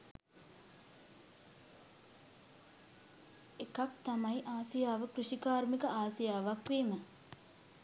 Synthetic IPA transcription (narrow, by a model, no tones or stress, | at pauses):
ekak̚t̪amajʔaːsijaːʋəkruʃikaːɾmikəʔaːsijaːʋakʋeːmə